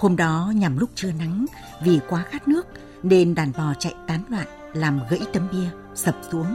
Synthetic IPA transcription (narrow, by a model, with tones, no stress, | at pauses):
ho˧mɗɔ˨˦ɲa˨˩mlʊ˦˥k͡p̚t͡ɕɨ˧əna˨˦ŋ | vi˨˩kwaː˨˦xaː˦˥t̚nɨ˦˥ək̚ | ne˧nɗaː˨˩nɓɔ˨˩t͡ɕa̰˧˨jt̪aː˨˦nŋwa̰ː˧˨n | laː˨˩mɣə̰˧˥jt̪ə˨˦mɓi˧ə | sə˨˩p̚su˨˦əŋ